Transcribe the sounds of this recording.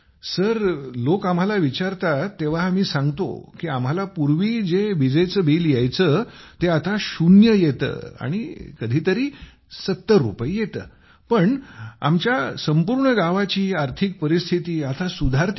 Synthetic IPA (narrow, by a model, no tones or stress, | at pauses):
səɾlokam̤alaʋit͡ɕaɾt̪at̪ːeʋ̤aːmiːsãŋɡt̪o̰kiam̤alapuɾʋiːd͡zeʋid͡zəjt͡səbiljajt͡sət̪eat̪aɕunjəjet̪ə̰ːa̰ɽ̃ikəd̪ʱiːt̪əɾiː | sət̪ːəɾːupəjjet̪ə̰ː | pəɳa̰mt͡ɕjasəmpuɾɳəɡaʋat͡ɕiːaɾt̪ʰik̚pəɾist̪ʰit̪iːat̪ʰasud̪ʱaɾt̪